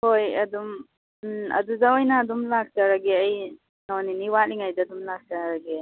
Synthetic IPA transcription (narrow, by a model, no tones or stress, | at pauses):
hojɐdum | ɐ̰duzawajnaːdumlaɡ̚taɾaɡeaj | nɔniniwaliŋajdadumlaɡ̚taaɾaɡe